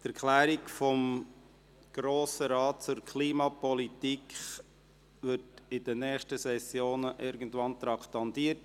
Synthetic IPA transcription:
tæɾkʰlæːɾikfɔm | ɡ̥ɾoːsəɾɑːt̚t͡sʊɾkʰliːmɑpɔlitikχ | ʋɪɾtɪd̥ənɛːχʃtəsɛsjoːnəʔɪɾɡən̩tʋɑnt̪ɾɑkt̪ɑndiːət

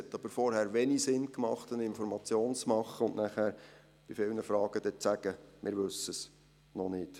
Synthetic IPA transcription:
hɛt̪ːɑb̥əɾfɔɾhæːɾʋɛnisɪnkmɑχt̪ənɪnfɔɾmɑt͡sjoːnt͡smɑχːəʊnʔnæχæːɾ | b̥ifɪlnəfɾɑːɡ̥əd̥̪ɛt͡sæɡəmʔɪɾʋɵsəs | nɔnɪt

